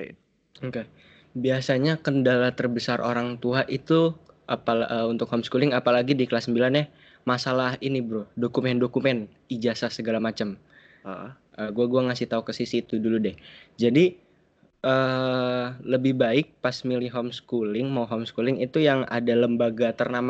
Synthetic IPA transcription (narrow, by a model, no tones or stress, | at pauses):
ka | biasaɲakəndalat̪ərbəsarʔo̰ɾaŋt̪uaʔit̪uʔapaəunt̪ʊk̚homskulɪŋapalaɡidikəlasːəmbilanja | masalaɦinibɾʊhdokumɛndokumɛn | id͡ʒasasəɡalamat͡ʃəm | əɡuaɡuaŋasɪht̪aukəsisit̪uduludɛhd͡ʒadi | ʔə | ləbɪhbaɪk̚pasmiliɦomskulɪŋmawɦomskulɪŋit̪ujaŋa̰daləmbaɡat̪ərnam